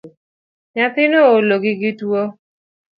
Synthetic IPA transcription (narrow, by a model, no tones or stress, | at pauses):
ɲãt̪inooloɡiɡituo